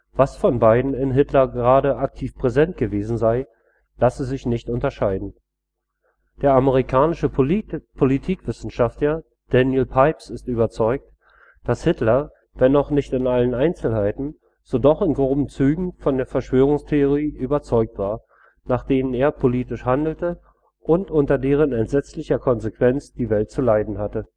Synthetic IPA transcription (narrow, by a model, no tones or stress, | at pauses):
v̥asfɔnbaɪdn̩ɪnɦɪtlɐɡəʁaːɾəʔak̚tʰiːfpʁ̥ɛzɛnt̚ɡ̥əveːzn̩zaɪ | lasəzɪçnɪçtʊntɐʃaɪdn̩ | d̥eːɐaməʁ̞ikʰaːnɪʃəpʰolitʰiːkv̥ɪsn̩ʃaftlɐ | d̥ɛnjɪlpʰaɪpsɪstʔyːbɐt͡sɔʏk̚t | d̥ashɪtlɐ | vɛnɔχnɪçtɪnʔalənaɪnt͡sl̩haɪtn̩ | z̥oːdɔχɪnɡʁoːbm̩t͡syːɡŋ̩fɔndeːɐfɛɐʃv̥øːʁ̞ʊŋstʰeoʁiːʔyːbɐt͡sɔʏk̚tv̥aːɐ | naːχd̥eːnəneːɐpʰoliːtɪʃhandl̩tə | ʔʊntʔʊntɐdeːʁ̞ənɛntz̥ɛt͡slɪçɐkʰɔnzekv̥ɛnt͡sd̥iːvɛlt̚t͡sulaɪdn̩hatə